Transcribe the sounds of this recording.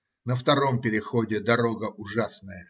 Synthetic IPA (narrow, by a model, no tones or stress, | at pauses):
nəft̪ɐɾo̞mpʲɪɾʲɪxodʲɪd̪ɐɾoɡəʔʊʐasnəjə